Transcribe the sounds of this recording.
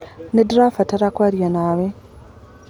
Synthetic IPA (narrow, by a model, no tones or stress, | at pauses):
nedɾaːfataɾakwaɾjanaːwe